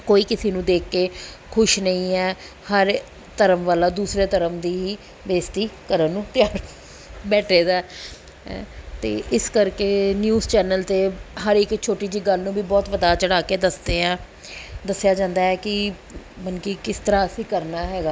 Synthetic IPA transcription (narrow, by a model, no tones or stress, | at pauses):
koːiːkɪseːnũːd̪eːkːeː | kʰʊʃnəĩːɛː | həɾ | t̪əɾəmʋaːlaːd̪uːsɾeːt̪əɾəmd̪iːɦiː | ʋeːst̪iːkəɾənnːũːt̪ɪjaːɾ | bɛːʈʰeːd̪aːɛ | t̪ḛːʔɪskəɾkeːnjuːzt͡ʃɛːnəlt̪eːɦəɾɪkt͡ʃʰoːʈiːd͡ʒiːɡəlnũːbiːbɔːt̪ʋəd̪aːt͡ʃəɽaːkeːd̪əsd̪eːãː | d̪əsːjaːd͡ʒãːnd̪aːɛːkɪ | mənkikɪst̪əɾaːəsĩːkəɾnaːɦɛːɡaː